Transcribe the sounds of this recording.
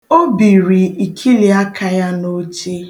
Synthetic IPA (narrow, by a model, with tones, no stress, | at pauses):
o˦bi˨ɾi˨i˨kʰi˦li˨a˦kʰa˦ja˦no˦t͡ʃe˦